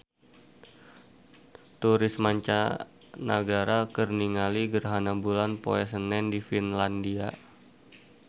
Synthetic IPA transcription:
t̪uɾɪsmaɲt͡ʃa | nə̰ɡaɾakərniŋaliɡərɦanabulanpoɛs̬ənɛndifinlandia

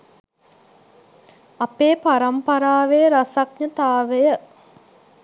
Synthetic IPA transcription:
apeːpaɾɐmpɐɾaːʋejəɾasak̚ɲət̪aːʋejə

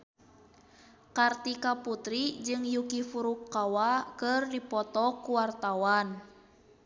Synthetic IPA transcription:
kart̪ikaput̪ɾid͡ʒɨŋjukifuɾukːawakərdipɔt̪ɔkuwart̪awan

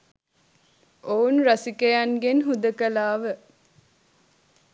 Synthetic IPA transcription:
ʔounɾɐsikejaŋɡenɦud̪əkɐlaːʋə

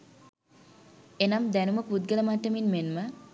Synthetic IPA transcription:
enɐmd̪ænuməpud̪̚ɡələmaʈːəminmenmə

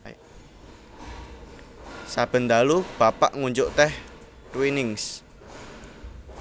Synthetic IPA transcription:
sab̥ə̤nd̪alub̥a̤pa̰ʔŋuɲd͡ʒʊʔt̪ɛh | t̪winɪŋs

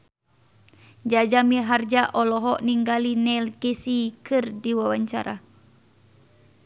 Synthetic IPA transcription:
d͡ʒad͡ʒamiɦard͡ʒaʔɔlɔɦɔʔniŋɡalinɛlkesikɨrdiwawaɲt͡ʃa̰ɾa̰

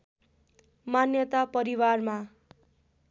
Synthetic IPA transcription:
manjʌt̪apʌɾiwarma

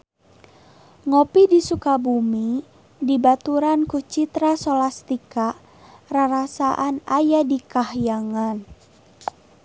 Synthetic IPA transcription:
ŋopidisukabumi | dibat̪uɾankut͡ʃit̪ɾasolast̪ika | raɾasaʔanajadikahjaŋan

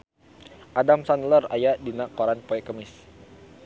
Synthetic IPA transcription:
ʔadamsanləra̰jadinakoɾanpoɛkəmɪs

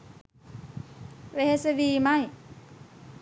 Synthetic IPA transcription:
ʋeɦeseʋiːmaj

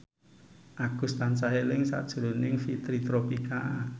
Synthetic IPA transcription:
ʔaɡ̥ṳst̪ant͡ʃaɦelɪŋsa̰d̥ʒ̥ɾo̤nɪŋfit̪ɾit̪ɾopika

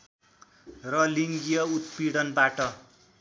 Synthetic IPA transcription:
rʌliŋɡijʌut̪piɽʌnbaʈʌ

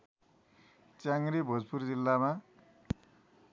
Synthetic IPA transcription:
t͡sjaŋɾibʱʌd͡zpurd͡zilːama

